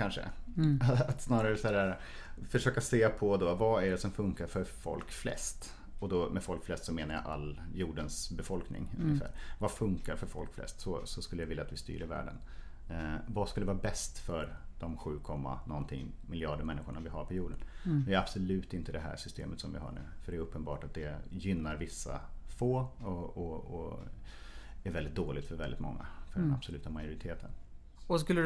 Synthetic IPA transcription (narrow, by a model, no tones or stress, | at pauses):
kʰanʂə̰ | at̪snɑːɾaɾəsaæɾ | fœʂøːkaseːpʰɔd̪ɔvaæɖɛsɔmfɵŋkaɾfœɾfɔ̰lkflɛ̰st̪ | ɔd̪ɔmɛfɔlkflɛst̪sɔmeːnaɾja̰ʔalːjuːɖənsbɛfɔlknɪ̰ŋɵ̰ŋːɪfæ̰ːɾvafɵŋkaɾfœɾfɔ̰lkflɛ̰st̪sɔsɔskɵlːjavɪlːaːt̪vɪst̪y̰ːɾɪɾvæ̰ːɖə̰n | vaskɵlːəvɑːɾabɛst̪fœɾd̪̥ɔmɧʉ̟ːkʰɔmːa̰nɔnt̪ʰɪ̰ŋ | mɪljɑːɖəmɛnːɪɧʊɳavɪɦaɾpʰɔjuːɖənd̪ɛæɾab̥sɔlʉ̟ːt̪ɪnt̪əd̪ɛɦæ̰ːɾʂʏst̪ḛːmət̪sɔmvɪ̰ɦɑ̰ːɳʉ̟̰ːfœɖɛːɾɵpːənbɑ̰ːʈat̪̚d̪ɛjʏnːaɾvɪsːa̰foːɔɔɔ | æɾvɛlɪt̪̚d̪oːlɪɡ̚t̪fœɾvɛlːɪt̪mɔ̰ŋːa̰fœɖɛnab̥sɔlʉ̟ːt̪amajʊɾɪt̪ʰeːt̪ʰə̰n | ɔskɵlːə